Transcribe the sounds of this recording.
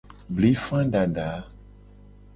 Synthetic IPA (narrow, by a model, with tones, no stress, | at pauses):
bli˨˦fã˦ɖa˨ɖa˨˦